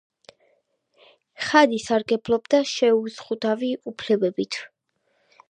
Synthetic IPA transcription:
χad̪isaɾɡɛblˠɔbd̪aʃɛusχud̪aviupʰlɛbɛbit̪ʰ

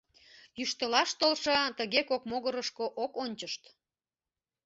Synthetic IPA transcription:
jyʃt̪əlɑʃt̪olʃət̪əɣekokmoɣəɾəʃkoʔokonʲt͡ɕəʃt̪

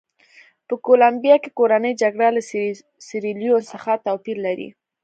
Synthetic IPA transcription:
pəkolambijɑkekoɾanəjd͡ʒaɡɽala | sɪɾiljosəxat̪awpiɾlaɾḭ

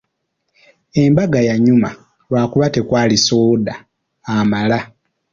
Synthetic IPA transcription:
e̞mbaɡajaɲuma | lwaːkuβate̞kwaːlisoːdaː | mala

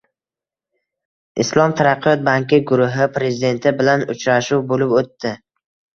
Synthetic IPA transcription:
ʔɪslˠɒmt̪ʰaɾɑqʰːɨjɒt̪̚baŋkʲɪɡʊɾʊɦɪpʰɾe̞zɪd̪e̞nt̪ʰɪbɪlanʊt͡ʃɾaʃuwbolɪpot̪ːɪ

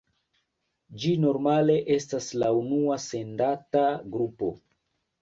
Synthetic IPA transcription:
d͡ʒino̞ɾmale̞ʔe̞staslaunuase̞ndataɡɾupo̞̰

